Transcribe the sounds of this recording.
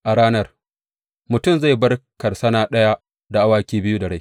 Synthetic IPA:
ʔa˨ɽaː˦nɐ˦r | mʊ˨tʊ˦˨mza˦˨jbɐ˦rkɐ˨rsɐ˦naː˦ɗɐ˦ja˦ | da˨ʔa˦waː˦kʲiː˦bɪ˦ju˦da˨ɽa˦j

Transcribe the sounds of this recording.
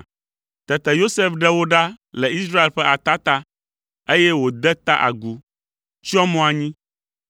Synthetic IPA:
t̪ɛ˨t̪ɛ˨jo˦se˦fɖɛ˦wo˦ɖa˦lɛ˨i˦sɾa˦e˨lɸɛ˦ʔa˨t̪a˦t̪a˦ | e˦jɛ˦wo˨d̪ɛ˦t̪a˦ʔa̰˨ɡu˦ | t͡ɕi˦ɔ˦mɔ̃˦a˨ɲĩ˦

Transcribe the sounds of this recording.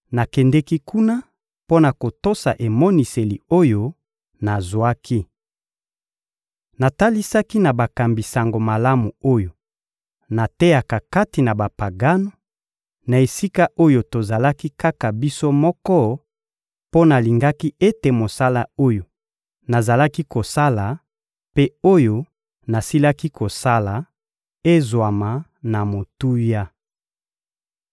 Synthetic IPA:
na˨kɛ˨ndɛ˦ki˦ku˦na˦ | po˦na˨ko˨to˦sa˨ʔe˨mɔ˦ni˨se˨li˨o˦jo˦ | na˨zwa˦kʰi˦ | na˨ta˦li˦sa˦ki˦na˨ba˨ka˨mbi˨sa˨ŋɡo˨ma˨la˦mu˨o˦jo˨ | na˨te˦ja˨ka˨ka˦ti˨na˨ba˨pa˨ɡa˦no˨ | na˨e˨si˦ka˦ʔo˦jo˨to˨za˨la˦ki˦ka˦ka˨bi˦so˦mɔ˦kɔ˦ | po˦na˨li˨ŋɡa˦ki˦e˦te˨mo˨sa˦la˦o˦jo˨ | na˨za˨la˦ki˦ko˨sa˦la˨ | pe˦o˦jo˦ | na˨si˦la˦ki˦ko˨sa˦la˨ | e˦zwa˨ma˨ | na˨mo˨tu˦ja˦

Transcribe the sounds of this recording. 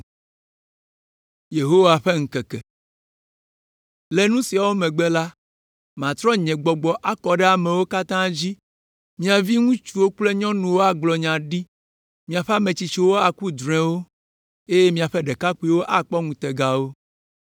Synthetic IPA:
je˨ɦo˦wa˨ɸe˦ŋ̩̃˨kɛ˨kɛ˨ | le˦nũ˦si˨a˨wo˦mɛ̃˨ɡ͡be˦la˦ | mã˨t̪ɾɔ˦ɲɛ̃˨ɡ͡bɔ˨ɡ͡bɔ˨ʔa˦kɔ˨ɖɛ˦a˨mɛ̃˨wo˦ka˦t̪ã˦d͡ʑi˦ | mĩ˦a˨vi˦ŋũ˦t͡ʃu˨wo˦k͡ple˦ɲɔ̃˦nũ˨wo˦a˦ɡ͡blɔ˨ɲã˨ɖi˦ | mĩ˨a˨ɸe˦a˦mẽ˨t͡ɕi˨t͡ɕi˨wo˦a˨ku˦d̪ɾ̃ɛ̃˨wo˦ | e˦je˦mĩ˦a˨ɸe˦ɖe˨ka˦ku˦i˦wo˦ʔa˨k͡pɔ˦ŋũ˨t̪e˨ɡa˦wo˦

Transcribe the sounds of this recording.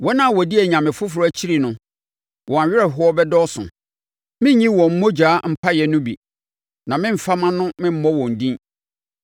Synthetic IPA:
wɔ˦nã˦˨wɔ˨di˦ɛ˨ɲã˨mɪ̃˨fʊ˦fʊ˨ɾʊ˦æ˨t͡ɕʰi˦ɾi˨nʊ̃˦ | wʔɔ˨a˨ɥɪ˦ɛ˨ɦʊ˦ɔ˦bɛ˦dɔ˦sʊ̰̃˨ | mɪ̃˦ɲĩ˦wɔ̃˨m̩˦mɔ̃˦d͡ʑaː˨˦m̩˦pʰa˦jɛ˨nʊ̃˦bi˨ | nã˨mɪ̃˦m̩˨fa˦mã˦nʊ̃˦mɪ̃˦m̩˦mɔ̃˦wɔ̃˨n̩˨dĩ˦n

